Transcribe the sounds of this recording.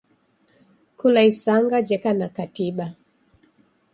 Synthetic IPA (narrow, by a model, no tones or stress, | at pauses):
kulaisaŋɡad͡ʒɛkanakatiɓa